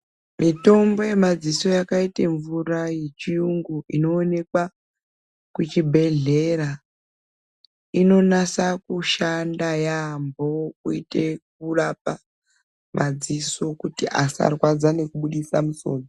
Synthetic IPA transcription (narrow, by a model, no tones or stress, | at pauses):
mito̞mbo̞je̞mad͡ziso̞jakaiteɱvurajet͡ʃijuŋɡuʔino̞ːne̞kwa | kut͡ʃibʱe̞ɮe̞ra | ino̞nasakuʃandajambo̞kuite̞k̚urap̚a | mʔad͡ziso̞kutiʔasa̰rwad͡zane̞kuɓuɗisamuso̞̰ːno